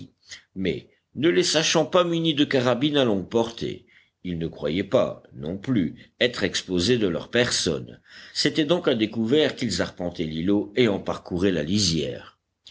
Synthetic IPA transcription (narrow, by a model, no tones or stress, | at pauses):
mɛ̰ | nəlesaʃɑ̃pamynid̪əkaʁabinalɔ̃ɡ̚pɔʁt̪ʰḛ | ilnəkχwajɛpa̰nɔ̰̃plyɛt̪χɛkspozed̪əlœ̰ʁpɛʁsɔ̰nset̪ɛd̪ɔ̃kãd̪ekuvɛʁkilzaʁpɑ̃t̪eliloeɑ̃paʁkuʁela̰lizjɛ̰ːʁ